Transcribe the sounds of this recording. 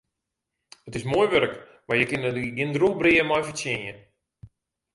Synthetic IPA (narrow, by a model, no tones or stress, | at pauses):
ətɪsmoəjʋøɾək | majjəkɪnəɡɪndruːbriəmɔjfəsjɪnjə